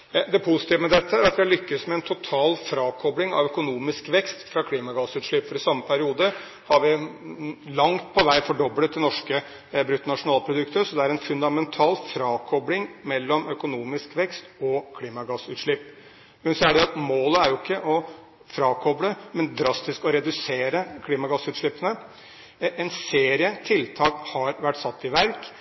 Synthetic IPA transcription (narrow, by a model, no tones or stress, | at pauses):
d̪ɛpʰʊsɪt̪ɪːʋəmɛd̪ɛt̪ːəæɾɑt̪ʋɪlʏkːəsmɛɛnt̪ʰʊt̪ʰɑːlfɾɑːkʰɔblɪŋɑ̰ʋœkʊnuːmɪskʋɛkst̪fɾɑkʰliːmɑɡɑsʉːt̪ʂɭɪpːfɔɾɪsɑmːəpʰæɾɪuːd̪ə | hɑɾʋɪ | lɑŋt̪̚pʰɔʋæɪfɔɖɔblət̪ːɪnɔʂkə | bɾʉt̪ːnɑʂʊnɑːlpʰɾʊd̪ʉkt̪əsɔd̪ɛæɾɛnfʉnd̪ɑmɛnt̪ʰɑːlfɾɑːkʰɔblɪŋmɛlːɔmœkʊnuːmɪskʋɛkst̪ɔkʰliːmɑɡɑsʉːt̪ʂɭɪpː | mɛnsɔæɖɛɑt̪moːləæɾjʊɪkʰːəʔɔ | fɾɑːkʰɔbləmɛnd̪ɾɑst̪ɪskɔɾɛd̪ʉseːɾəkʰliːmɑɡɑsːʉːt̪ʂɭɪpːənə | ʔɛnseːɾɪət̪ʰɪlt̪ʰɑːkhɑɾʋæʈːsɑt̪ːɪʋæɾk